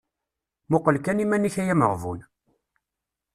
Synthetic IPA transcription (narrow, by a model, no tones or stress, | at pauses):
mʊqːəlkænimæniçæjæmə̰ʁvṵn